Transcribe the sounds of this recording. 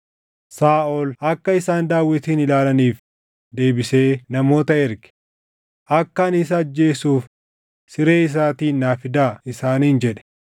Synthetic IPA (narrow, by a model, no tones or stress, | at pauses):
saːʔɔlɐkːɐɪsaːnd̪aːwːɪt̪iːnɪlaːlɐniːf | d̪e̞ːbɪse̞ːnɐmo̞ːt̪ɐɪɾɡɪ̥ | ʔɐkːɐːnɪs̬ɐːd͡ʒːe̞ːsuːf | sɪɾe̞ːɪs̬aːt̪iːnːaːfɪd̪aːɪsaːniːnd͡ʒɛᶑɛ̥